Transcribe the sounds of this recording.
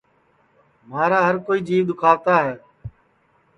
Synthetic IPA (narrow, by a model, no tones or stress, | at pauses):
maːɾaːɦəɾkoːiːd͡ʒiːʋd̪ʊkʰaːʋt̪aːɦɛː